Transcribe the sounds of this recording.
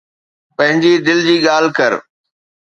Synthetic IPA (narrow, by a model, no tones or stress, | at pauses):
pɐ̃ɦɪ̃ɲd͡ʑid̪ɪld͡ʑiːɠaːl̤kɐɾ